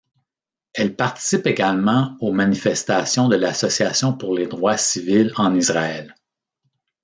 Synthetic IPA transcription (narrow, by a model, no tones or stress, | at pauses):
ɛlpaʁt̪i̥sɪpeɡalmɑ̃omanifɛst̪asjɔ̃d̪əlasɔsiasjɔ̃pʊʁled̪ʁwasivɪlɑ̃nizʁaɛl